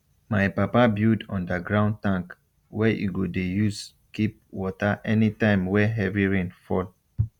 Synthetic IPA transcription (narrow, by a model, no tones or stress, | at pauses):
majpapabjudɔ̰̃ndəɡɹãʊ̃ntãŋk | wɛʔḭɡodejus | kip̚wɔtaʔɛnitãɪ̃mwɛɦɛviɹĩnfɔl